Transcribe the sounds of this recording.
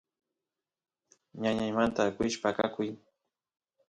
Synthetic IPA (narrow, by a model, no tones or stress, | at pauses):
ɲaɲajmant̪akɪʃpakakʊj